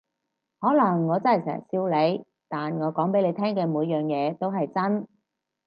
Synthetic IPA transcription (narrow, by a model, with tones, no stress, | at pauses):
hɔː˨˥lɐ˨˩ŋːɔː˨˧t͡sɐ˥hɐ˨˩jsɛ̰ː˨˩˨siː˧wle˨˧j | t̪aː˨nŋɔː˨˧kɔː˨˥ŋpe˨˥jle˨˧jt̪ʰɛː˥ŋkɛː˧muː˨˧jːœː˨ŋjɛː˨˧t̪o˥wɦɐ˨jt͡sɐ˥n